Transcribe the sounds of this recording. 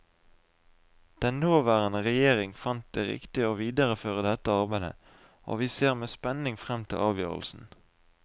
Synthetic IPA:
d̪̥ɛnnoːʋæːʁənəʁɛjeːʁɪŋfɑnt̪̚d̪eːʁɪ̰kt̪ɪoːʋiːd̪əʁəføːʁəd̪ɛt̪əɑʁbæɪd̪ə̰ | ʔo̰ːʋiːseːʁmeːspɛnɪŋfʁɛmt̪ʰɪ̰lʔɑːʋjø̰ːʁəl̩sn̩

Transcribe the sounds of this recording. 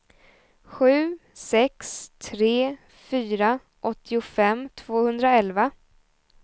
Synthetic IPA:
ɧʉ̟ːsɛkst̪ʰɾeː | fyːɾa | ʔɔt̪ʰːɪʊfɛmːt̪ʰv̥oːhɵnd̪ɾaɛlva

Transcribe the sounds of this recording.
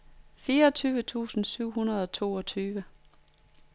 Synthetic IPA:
fiːɐɒt͡sʰyːʋət͡sʰṵːsn̩syʊ̰ɦunɐð̞ˠɒ̽t͡sʰo̝̰ːɒ̽t͡sʰyːʋə

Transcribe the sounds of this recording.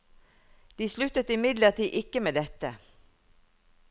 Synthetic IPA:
d̪̥iːslʉt̪ət̪ɪmɪd̪ləʁt̪iːʔɪkəmeːd̪ɛt̪ə̰

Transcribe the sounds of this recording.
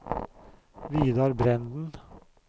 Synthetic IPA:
ʋiːd̪ɑːɾbɾɛnd̪n̩

